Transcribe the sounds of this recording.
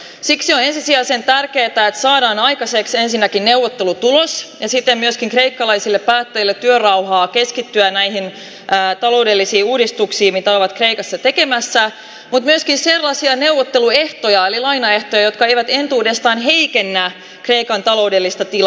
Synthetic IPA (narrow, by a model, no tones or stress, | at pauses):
siksione̞nsisiæːsent̪ærkeːt̪æet̪sɑːdɑːnɑjkɑseksensinːækinneuwʋːot̪ːelut̪ulosjɑsit̪ːemmyøskiŋkre̞ikːɑlɑisilːeppæːt̪ːæjilːet̪ːyørɑwhɑːkeskit̪ːyænæiɦin | ʔːt̪ɑlo̞ude̞lːisiːuːdist̪uksiːmit̪æoʋɑt̪kreikɑsːɑt̪ekemæsːæ | mut̪myøskinserlːɑsiɑne̞wʋot̪ːelue̞ht̪ojɑelilɑinɑe̞ht̪ojɑjo̞t̪̚kɑejʋæt̪e̞nt̪uːde̞st̪ɑːnɦe̞ikenːæ | kre̞ikɑnt̪ɑlo̞udelːist̪ɑt̪il